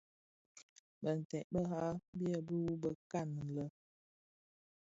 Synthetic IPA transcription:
bə˨n̩˨tɛ˨ʔbə˦ha˦bi˦ə˦˨bə˦wu˦bə˦ka˦˨n˨n̩˨lə˦

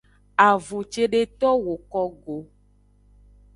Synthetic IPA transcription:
a˨vu˨t͡ʃe˦ɖe˦t̪ɔ˦wo˨kɔ˦ɡo˨

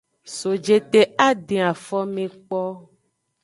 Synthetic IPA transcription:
so˨d͡ʒe˨t̪e˨a˦ɖe˨a˨fɔ˦mẽ˨k͡pɔ˦

